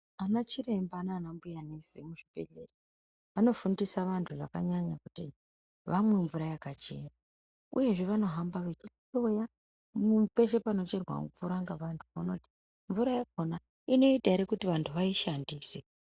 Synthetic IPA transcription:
anat͡ʃire̞mbaːnanambujanesimuʐibe̞ɮere | ʋano̞fundisaʋantʰuʐa̰kaɲaɲakuti | ʋamwe̞ɱvuɾajakat͡ʃe̞̰ra | ṵje̞ʐeʋano̞ɦambaʋet͡ʃi | o̞ja | mupe̞ʃe̞pano̞t͡ʃe̞rwa̰ufuɾaŋɡaʋantʰu̥muno̞ti̥ | ɱvuɾajak̚ona | ino̞itaɾekutiʋantʰuʋaiʃandiːse

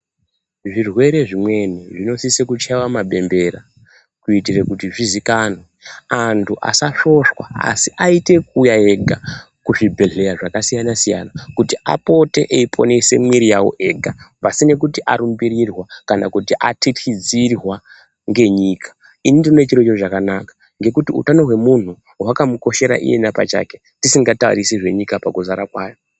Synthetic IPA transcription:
ʐirwe̞ɾe̞ʐimwe̞niʐino̞sisekut͡ʃawamaɓe̞mbe̞ɾa | kuitirekutiʐizikano | antʰuʔa̰saʃo̞ʃwa̰a̰siʔaite̞k̚ujae̞ɡʱa | kuʐibʱe̞ɮe̞ɾaʐakasijanasija̰nakutiʔa̰po̞te̞̰ʔeipʰo̞̰ne̞se̞̰mwiɾijawo̰ʔe̞ɡʱapasine̞k̬utiʔaɾumbiɾirwakana̰kutiʔatʰitxid͡zirwa | ŋɡe̞ɲiːkʰḁ | inindinonet͡ʃiɾt͡ʃot͡ʃakanakḁ | ŋɡe̞kutiṵtano̞ɦwe̞mun̤u | wakamuko̞ʃe̞ɾa̰ʔḭje̞̰napa̰t͡ʃa̰ke | tisiŋɡataṵrisiʐe̞ɲikapakuzaɾakwaːjo̞

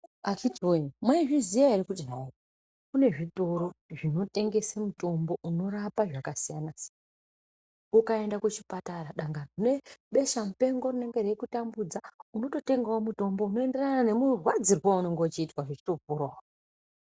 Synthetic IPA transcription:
at͡ʃitiwomwaiʐizijaiɾikud͡ʒnaoːko | kune̞ʐito̞ɾo̞ʐino̞te̞ŋɡe̞semuto̞mbo̞ʔuno̞rapaʐakasijanasija | ukae̞ndakut͡ʃipataraɗaŋɡanune̞ɓe̞ʃamupe̞ŋɡo̞rine̞ŋɡe̞rekutambud͡zauno̞to̞te̞ŋɡaomuto̞mbo̞uno̞e̞nde̞ranane̞murwad͡zirwauno̞ŋɡo̞t͡ʃiːtwaʐit͡ʃi̥to̞puɾa

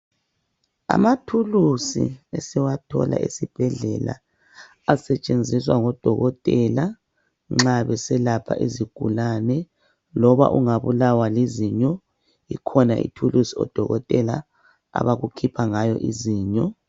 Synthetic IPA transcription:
a̰matʰulusḭɛsɛwatʰɔ̰la̰ʔesib̥ʱɛɮɛla̰ | asɛt͡ʃʼend͡zʱiswaŋɔd̥ʱɔɣɔtʼɛla | ŋ͡ǁaβɛsɛlapʰa̰ʔiziɡ̥ʱṵlanɛ | lɔβa̰ʔuŋaβulawaliziɲɔ | ikʰɔnaʔḭtʰulusiɔ̰d̥ʱɔɣɔtʼɛla̰ | a̰βaɣukʰipʰaŋajɔ̰ʔiziːɲɔ

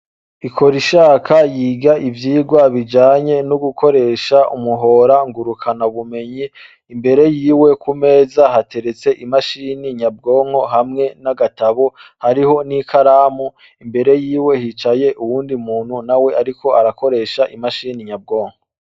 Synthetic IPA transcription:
ikʰo̞ɾiʃaːkʰajiːɡaʔivjiːɡwaβid͡ʒaːɲe̞nuɡukʰo̞ɾe̞ːʃaumuɦo̞ːɾaŋɡuɾukʰanaβume̞ɲiː | mbe̞ɾe̞jiːwe̞kume̞ːzaɦate̞ɾe̞t͡se̞ʔimaʃiːniɲab̚ɡo̞ːŋ̥o̞ɦamŋe̞naɡataβohaɾiho̞nikʰaɾaːmu | imbe̞ɾe̞jiːwe̞hit͡ʃaje̞ʔuwuːndimuːn̥hunawe̞ʔaɾikʰo̞aɾako̞ɾe̞ːʃaʔimaʃiːniɲab̚ɡo̞ːŋho

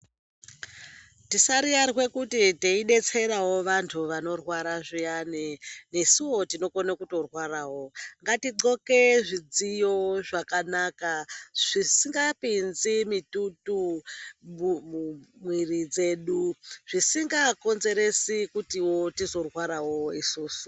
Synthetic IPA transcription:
tisaɾijaɾɣwe̞kutiteiɗe̞t͡se̞ɾawo̞ʋantʰuʋano̞rwaɾaʐijanene̞siwo̞tino̞konakuto̞rwaɾaːwo̞ŋɡatiǃo̞ke̞ʐid͡zijo̞ʐakanakaʐ̥isiŋɡapinzimitutu | mumwirid͡ze̞ːɗuʐ̥isiŋɡako̞nze̞ɾe̞sikutiwo̞tizo̞rwaɾawo̞isuːsu̥

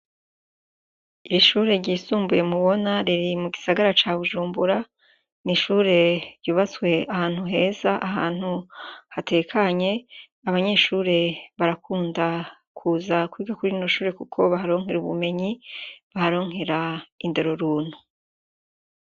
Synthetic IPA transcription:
iɾiʃuːɾe̞ɾɟiːsuːmbuje̞muβo̞naɾiɾimuɡisaɡaɾat͡ʃaːβuʒuːmbuɾa | niʃuːɾe̞ɾɟuːβat͡swe̞ahaːn̥huɦe̞ːzaʔaɦa̰ːn̥huhate̞kʰaɲe̞ | aβaɲe̞ːʃuːɾe̞βaɾakuːnda | kʰuːzakwiːɡakuɾino̞ʃuːɾe̞kukʰo̞βaɦaɾo̞ːŋɦe̞ɾuβṵme̞ɲiβahaɾo̞ːŋe̞ɾainde̞ɾo̞ɾuːn̥u

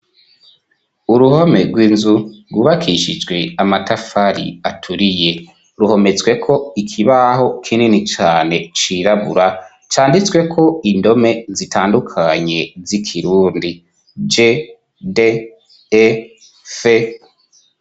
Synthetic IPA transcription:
uɾuhome̞ɾɡwiːnzuɾɡuβakʰiʃid͡ʒɡwe̞amatafaɾḭatʰuɾije̞ | ɾuho̞me̞t͡sɡwe̞kʰo̞ikʰiβaho̞kʰininit͡ʃaːne̞t͡ʃiːɾaβuɾa | t͡ʃaːndit͡swe̞kʰo̞indo̞me̞zitʰaːndukʰaɲe̞zikʰiɾuːndi | d͡ʒe | de | e | fe

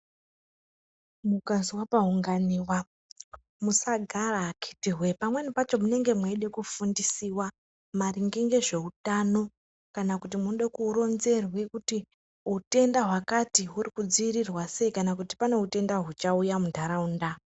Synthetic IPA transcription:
mukaziwapaɦuŋɡaniːwa | musaɡʱaraːkʰi̥tiɦwe̞pamwe̞nipat͡ʃo̞mune̞ŋɡe̞mwaiɗe̞kufundisiwa | mariŋɡeŋɡe̞ʐe̞ɦutano̞ | kanakutimunoɗakuro̞nze̞rwe̞kuti | ɦute̞ndaɦwakatiɦurikud͡ziːrirwase̞ikanakuti̥pane̞ute̞ndaɦut͡ʃaujamudʱaɾaunda

